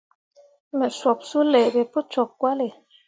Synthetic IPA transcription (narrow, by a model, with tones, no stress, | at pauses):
me˨sɔ˨p̚su˦le˨be˨pu˦t͡ʃɔ˨kːwa˦le˨